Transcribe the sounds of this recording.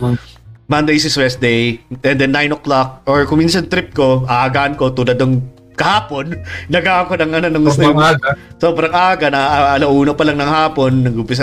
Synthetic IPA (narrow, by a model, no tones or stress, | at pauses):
mɐnd̪ejs̬ɪswɛs̚d̪ejɛnd̪ɛnːajnʔoklak̚ʔoɹkʊŋminsɐnt̪ɾɪp̚ko̞ʔɐʔaɡaːʔɐnko̞t̪uːlɐd̪nɐŋ | kɐhaːpo̞nːɐɡaɐkonɐŋʔɐnonɐŋɡʊst̪ʊjso̞ːbɾɐŋʔaʔɡɐnɐʔʔɐlɐʔuːnopɐlɐŋnɐŋhaːpo̞nːɐɡumpɪs̬ɐ